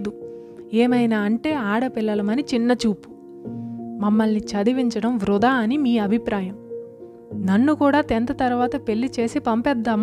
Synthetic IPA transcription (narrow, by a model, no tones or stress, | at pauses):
d̪u | eːmɐjnaːɐɳʈe̞ːaːɽɐpilːɐlɐmɐnit͡ʃinːɐt͡ʃuːpu̥ | mɐmːɐlnit͡ʃɐd̪iʋiɲt͡ʃɐɽɐmʋɾud̪aːɐnimiːɐbʱipɾaːjɐm | nɐnːukuːɽaːt̪ent̪ɐt̪ɐɾuʋaːt̪ɐpe̞ɭːit͡ʃe̞ːsipɐmpɛd̪ːaːm